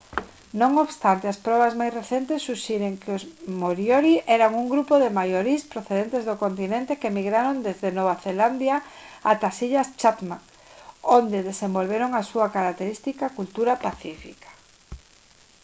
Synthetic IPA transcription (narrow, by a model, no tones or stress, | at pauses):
nõŋoβst̪ant̪easpɾɔβ̞azmajsreθent̪esːuʃɛɾeŋkɪozmoɾjoɾiʔɛɾaŋuŋɡɾupoðemajoɾispɾoθeðent̪ezðokont̪inẽnt̪ekemiɣɾaɾond̪ezðenoβaθeland̪ja | at̪asiʎast͡ʃat̪maŋ | ond̪eðesẽmbolβeɾoŋasuakaɾak̚t̪eɾist̪ikakult̪uɾapaθifikḁ